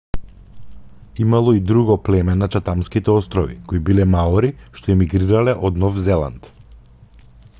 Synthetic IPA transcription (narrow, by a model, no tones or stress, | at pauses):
imalˠɔid̪ɾuɡɔplɛmɛnat͡ʃat̪amskit̪ɛɔst̪ɾɔvḭkoibilɛmaɔɾiʃt̪ɔɛmiɡɾiɾalɛʔɔd̪nɔfzɛlˠa̰nt̪